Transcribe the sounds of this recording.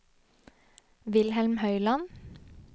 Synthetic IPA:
ʋɪlhɛlmhœʏlɑn

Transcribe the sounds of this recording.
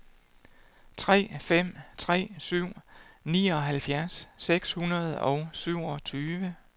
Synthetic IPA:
t͡sʰʁɛ̰ːfem̰t͡sʰʁɛ̰ːsyʊ̰nḭːɒ̽ɦælfjæɐsːeɡ̥shunɐð̞̩ˠɒ̽ʊsyʊ̰ɒ̽t͡sʰyːʋə

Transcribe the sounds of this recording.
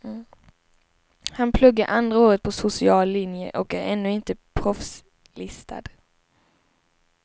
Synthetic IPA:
hanpʰlɵɡːaɾʔand̪ɾaoːɾət̪̚pʰɔsʊsɪɑːlːɪnjə̰ʔɔkæɾɛnːɵɪnt̪əpʰɾɔfs | lɪst̪ʰa̰d̪̥

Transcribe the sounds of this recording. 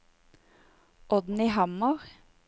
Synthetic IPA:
ʔɔd̪n̩iːhɑmɑʁ

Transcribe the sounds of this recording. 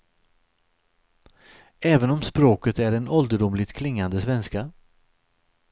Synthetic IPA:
ɛːvənɔmspɾoːkət̪æɾɛnɔld̪əɖʊmlɪɡt̪kʰlɪŋːand̪əsvɛnska

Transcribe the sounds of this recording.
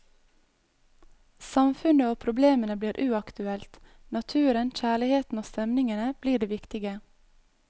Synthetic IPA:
sɑmfʉnəoːpʰɾʊbleːmənəbliːɾʔʉːɑkt̪ʉɛlt̪ | nɑt̪ʰʉːɾənc͡çæːɭɪheːt̪n̩oːst̪ɛmnɪŋənəb̥liːɖeːʋɪkt̪ɪɡə

